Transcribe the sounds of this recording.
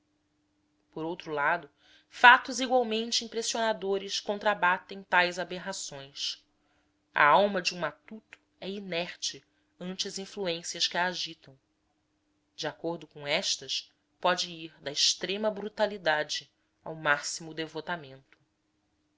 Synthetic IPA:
poɾowt̪ɾulad̪ʊ | fat̪ʊziɡwawmẽnt͡ʃɪĩpɾesionad̪oɾɪskõnt̪ɾabat̪ẽj̃t̪ajzabeɦasõj̃s | ɐ̰awmɐd͡ʒɪũmat̪ut̪ʊ̥ | ɛinɛχt͡ʃɪ | ɐ̃nt͡ʃɪɐzĩfluẽsiɐskɪaːʒit̪ɐ̃w̃ | d͡ʒɪakoɾd̪ʊkõɛʃt̪ɐs | pɔd͡ʒɪiɾd̪ɐɪʃt̪ɾẽmɐbɾut̪alid̪ad͡ʒɪ | a̰wmasimʊd̪evot̪amẽnt̪ʊ̥

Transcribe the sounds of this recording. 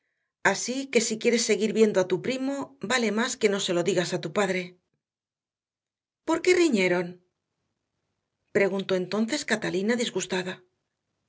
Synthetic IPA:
asike̞sikje̞ɾe̞sːe̞ɣiɾβje̞nd̪oat̪upɾimo̞bale̞maske̞no̞se̞lo̞ðiɣasat̪upaðɾe̞ | po̞ɾke̞riɲe̞ɾo̞n | pɾe̞ɣ̞unt̪o̞ent̪o̞n̟θe̞skat̪alinaðizɣust̪aða

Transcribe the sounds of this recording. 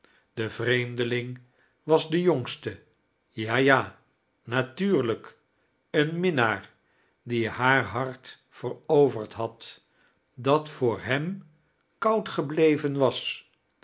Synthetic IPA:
d̥əvrejmdəlɪŋ | ʋɑzdəjoŋstə | jaːjaː | natyːɹlək | ənmɪnaːɹ | diɦaːɹɦɑɹt | fərowvəɹtɦɑt | dɑtfʊːɹɦɛm | kʌwtχəblejvənʋɑs

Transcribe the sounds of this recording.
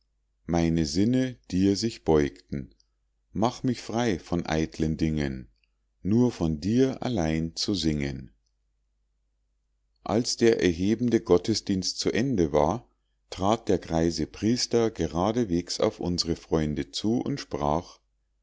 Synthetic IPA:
maɪnəzɪnəd̥iːzɪçb̥ɔʏktn̩ | maχmɪçfʁ̥aɪfɔnʔa̰ɪtləndɪŋənː | uːɐfɔndiːɐʔa̰laɪnt͡suzɪŋən | ʔa̰lsd̥eːɐʔɛ̰ɐɦeːbm̩dəɡɔtəsd̥iːnst̚t͡suʔɛndəvaːɐ | tʁ̥aːt̚d̥eːɐɡʁaɪzəpʁ̥iːstɐɡəʁaːdəveːksa̰ʊfʔʊnzəʁəfʁ̥ɔʏndət͡suːʔʊ̰ntʃpʁ̥aːχ

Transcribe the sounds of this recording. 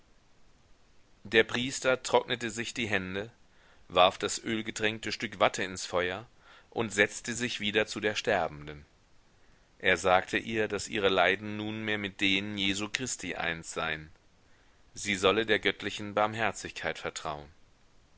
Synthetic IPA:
d̥eːɐpʁ̥iːstɐtʁ̥ɔknətəzɪçd̥iːɦɛndə | vaɐfd̥asʔøːlɡədʁɛŋk̚təʃtʏkv̥atʰəɪnsfɔʏɐ | ʔʊntz̥ɛt͡stəzɪçv̥iːdɐt͡sudeːɐʃtɛɐbm̩dən | ʔeːɐzaːktʰəʔiːɐdasʔḭːʁ̞əlaɪdn̩nuːnmeːɐmɪt̚d̥eːnənjeːzuːkʁ̥ɪstʰiːʔa̰ɪnsz̥aɪən | ziːzɔlədeːɐɡœtlɪçn̩baɐmɦɛɐt͡sɪçkʰaɪtfɛɐtʁ̥a̰ʊən

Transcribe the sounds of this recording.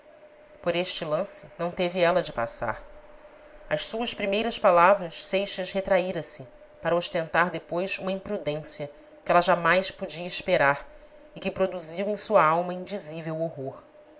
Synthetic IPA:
poɾeʃt͡ʃɪlɐ̃sɪ̥nɐ̃w̃t̪evɪɛlɐd͡ʒɪpa̰sa̰ɾ | ɐʃsuɐspɾimejɾɐspalavɾɐssejʃɐshet̪ɾaiɾɐ̃sɪ | paɾɐoʃt̪ẽnt̪aɾd̪epojsũmɐĩpɾud̪ẽsiɐ | kɪɛlɐʒamajspod͡ʒiɐiʃpeɾaɾ | ɪkɪpɾod̪uziwẽj̃suɐawmɐĩnd͡ʒizivewoɦoɾ

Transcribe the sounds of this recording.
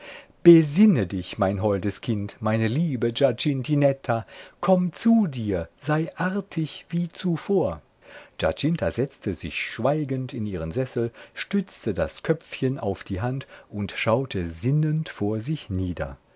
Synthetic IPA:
b̥əzɪnədɪçmaɪnɦɔldəskʰɪntmaɪnəliːbəd͡ʒat͡ʃɪntinɛtʰakʰɔmt͡sudiːɐzaɪʔaɐtʰɪçv̥iːt͡sufoːɐ | d͡ʒa̰t͡ʃɪntʰazɛt͡stʰəzɪ̰çʃv̥aɪɡəntɪniːʁ̞ənzɛsl̩ʃtʏt͡stəda̰skʰœp͡fçəna̰ʊfd̥iːɦantʔʊntʃaʊtʰəzɪnəntfoːɐzɪçniːdɐ̰

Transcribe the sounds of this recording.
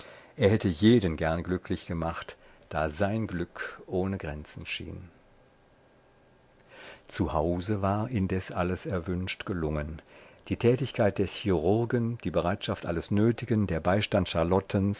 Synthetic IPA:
ʔeːɐhɛtəjeːdənɡɛɐnɡlʏkʰlɪçɡ̥əmaχtd̥aːzaɪnɡlʏkʔoːnəɡʁɛnt͡sn̩ʃḭːn | t͡suhaʊzəvaːɐʔɪndɛsʔaləsɛɐvʏnʃtɡ̥əlʊŋənd̥iːtʰɛːtɪçkʰaɪt̚d̥ɛɐçiʁʊɐɡənd̥iːbəʁaɪtʃaftʔa̰ləsnøːtɪɡəndeːɐbaɪʃtantʃaɐlɔtʰəns

